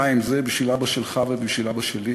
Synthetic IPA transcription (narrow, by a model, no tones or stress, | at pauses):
aimzebiʃvilabaʃelχavebiʃvilabaʃeli